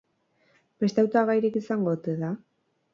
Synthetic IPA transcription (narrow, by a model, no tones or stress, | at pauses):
be̞st̪eawt̪aɣajɾikisaŋɡo̞t̪eða